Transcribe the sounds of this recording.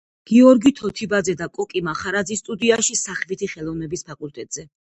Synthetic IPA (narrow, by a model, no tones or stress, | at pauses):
ɡ̥iɔɾɡit̪ʰɔt̪ʰibad̪zɛd̪akʼɔkʼimaχaɾad̪zist̪ʼud̪iaʃisaχlit̪ʰiχɛlˠɔvnɛbispʰakʼulˠt̪ʼɛt̪ʼz̥ɛ